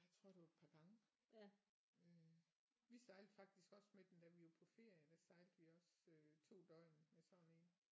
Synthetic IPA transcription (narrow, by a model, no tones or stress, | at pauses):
jɑ̈ɪt͡sʰʁo̝ɐ̰d̥eɑd̥̚pʰɑ̈ɡ̥ɑ̈ŋə | ø | ʋisɑ̈ɪld̥fɑ̈ɡ̥̚d̥isɡ̥ɒ̽smed̥emd̥æʋijopʰɒ̽fe̝ɐ̰jəd̥æsɑ̈ɪld̥ʋiɒ̽søt͡sʰo̝̰ːd̥ɒ̽ɪ̰nmesɒne̝n